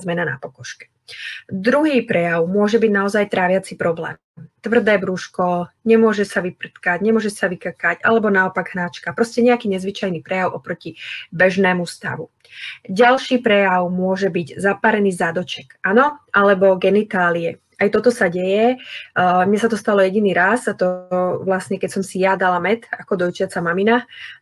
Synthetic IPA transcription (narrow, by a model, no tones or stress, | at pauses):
zmɛnana̰pɔkɔʃkɛ̥ | d̪ɾuɦiːpɾɛjaʊmʊɔʒɛbiɟnaɔzajt̪ɾaːʋɪat͡sipɾɔblɛ̰ː | t̪ʋr̩d̪ɛːbɾuʃkɔɲɛmʊɔʒɛsaʋipr̩t̪kaɟɲɛmʊɔʒɛsaʋikakaca̰lɛbɔnaɔpaɡɦnaːt͡ʃkapɾɔscɛɲɛakiːɲɛzʋit͡ʃajniːpɾɛjaʊʔɔpɾɔcibɛʒnɛːmust̪a̰ʋu | ɟalʃiːpɾɛjaʊmʊɔʒɛbiɟzapaːɾɛniːzad̪ɔt͡ʃɛkʔanɔʔalɛbɔɡɛnit̪aːliɛ | ajt̪ɔt̪ɔsaɟɛjɛ | mɲɛsat̪ɔst̪alɔjɛɟiniːɾasat̪ɔʋlasɲɛkɛcsɔmsijad̪alamɛt̪akɔd̪ɔjt͡ʃɪat͡samamina